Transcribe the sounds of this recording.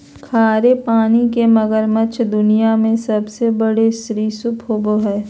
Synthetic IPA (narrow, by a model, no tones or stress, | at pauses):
kʰaːɾepaːnikemɐɡəɾmət͡ʃʰd̪ʊnijamẽsɐbsebəɽesɾiːsʊpʰɦoːɡoɦɛː